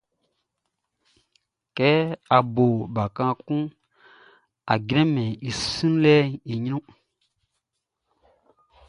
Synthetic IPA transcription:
kɛ˨˦a˨bo˨ba˨kã˦kũ˦ | a˨ɡɾɛ̃˦mɛ̃˨i˨sĩ˦n˦lɛ˦i˨ɲi˦nũ˦

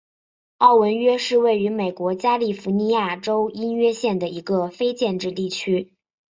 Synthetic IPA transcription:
ɑ˥˩ʊwə˧˥nɥɛ˥ʂɻ̩˥˧we˥˩ɪy˧˥me˨˩ɪkwɔ˧˥t͡ɕja˥li˥˩fu˧˥ni˧˥ja˥˩ʈ͡ʂo˥ʊi˥nɥɛ˥ɕjɛ˥˩nd̪ə˩i˧˥ɡə˧fe˥ɪt͡ɕjɛ˥˧nʈ͡ʂɻ̩˥˧t̪i˥˩t͡ɕʰy˥

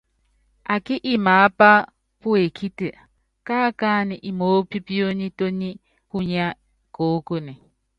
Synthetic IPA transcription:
a˨kɪ˦ʔi˦ma˨˦pa˦ | pu˦e˨kʰi˦tɨ˨ | ka˦ka˦ni˨ʔi˨moː˦pi˦pi˦o˦ɲi˦to˦ɲi˦ | ku˦ɲa˦ | koː˨˦ko˦ni˨

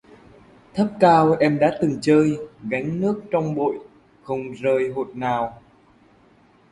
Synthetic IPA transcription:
t̪ʰə˦˥p̚kaː˧wʔɛ˧mɗa̰ː˧˥t̪ɨ˨˩ŋt͡ɕəː˧jɣa˨˦jŋ̟nɨ˦˥ək̚t͡ɕɔ˧wŋ͡mɓo̰˧˨j | xə˧wŋ͡mzəː˧˩jɦo˨˩t̚naː˨˩w

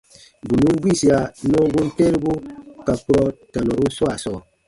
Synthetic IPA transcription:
bu˨nu˦m˦bwi˦˨si˨a˨nɔ˦ŋ˦bu˦n̩˦te˦ɾbu˦ka˨pu˦ɾɔ˦ta˨nɔ˨ɾu˦n̩˦swa˦˨sɔ˦˨

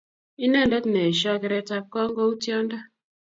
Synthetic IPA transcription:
i˦ne˦˨n˨dɛ˦tne˨ʃɔ˦kɛ˨ɾe˦ta˦kːɔ˦ŋ̩˦ɡo˦u˦tjɔ˦n˦da˦

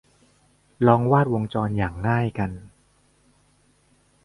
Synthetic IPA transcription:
lɔː˧ŋwaː˥˩t̪̚wo˧ŋt͡ɕɔː˧njaː˨˩ŋːaː˥˩jka˧n

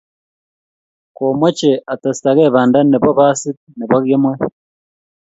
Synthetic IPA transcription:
ko˨mwe˦t͡ʃe˨ʔa˨ta˨si̥ta˨ɣe˦βaː˨nda˦ni˨βo˦βa˦si˦t | ni˨βo˦ɣje˦mwe˦

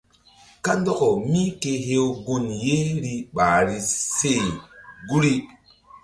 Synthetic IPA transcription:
ka˦ndo˦ko˨mi˦ke˦ɦe˦wɡu˦nje˦ɾi˦ɓa˨ɾi˦se˦˨ɡu˦ɾi˦

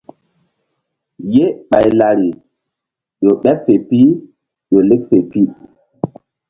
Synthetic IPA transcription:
je˦ɓa˨jla˨ɾi˨ | jo˨ɓɛ˦fe˨pi˦ | jo˨le˦k̚fe˨pi˦

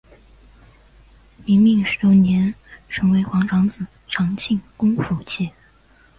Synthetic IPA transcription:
ni˧˥nmi˥˩ŋʂɻ̩˧˥t̪o˥njɛ˧˥nʈ͡ʂʰɤ˧˥ŋwe˧˥ɪxwɑ˧˥ŋʈ͡ʂʰɑ˧˥ŋt͡sɹ̩˨˩ | ʈ͡ʂʰɑ˧˥ŋt͡ɕʰi˥˩ŋkʊ˥ŋfu˧˥t͡ɕʰjɛ˥˩

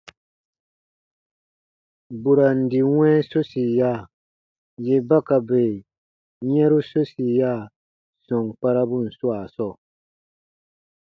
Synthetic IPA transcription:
bu˨ɾa˨n̩˨di˨wɛ̃˦so˦si˨ja˦˨ | je˦ba˦ka˨beː˨ | ɲɛ̃˦ɾu˦so˦si˨ja˦˨ | sɔ̃˨ŋk͡pa˦ɾa˦bu˦˨n̩˨su˦a˨sɔ˦˨

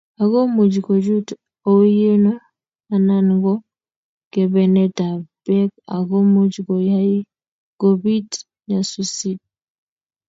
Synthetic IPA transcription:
a˨ɡɔ˦mu˨d͡ʒɡɔ˨d͡ʒu˦t | o˦je˦nɔ˦ | a˨na˦nɡɔ˦ | kɛ˨bɛ˨nɛ˦ta˨b̥ɛ˦ka̰˨ɡɔ˦mu˦d͡ʒɡɔ˨ja˦i˦ | ɡ̥ɔ˨bi˦t | ɲa˨su˦si˦t̚

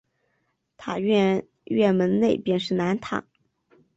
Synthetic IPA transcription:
t̪ʰa˨˩˥ | ɥɛ˥˩nmə˧˥nne˥˧ɪpjɛ˥˧nʂɻ̩˥˩na˧˥nt̪ʰa̰˨˩˦

